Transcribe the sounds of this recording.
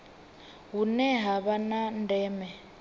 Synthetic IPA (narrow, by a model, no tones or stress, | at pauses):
ɦunɛɦaβanandɛːmɛ